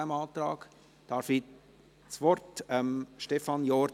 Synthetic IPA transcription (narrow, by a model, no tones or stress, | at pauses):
amɑːtɾɑːk | d̥ɑɾfi | t͡sʋɔɾtɛmʃtɛfɑnjɔɾ